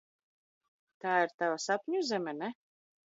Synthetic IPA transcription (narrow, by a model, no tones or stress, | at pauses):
t̪aːiɾt̪avasapʲɲʲuzɛmʲɛnɛ